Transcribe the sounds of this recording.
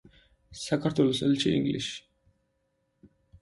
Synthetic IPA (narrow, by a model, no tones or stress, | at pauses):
sakʰaɾt̪ʰwɛlɔsɛ̰lʃiḭŋɡlḭʃi̥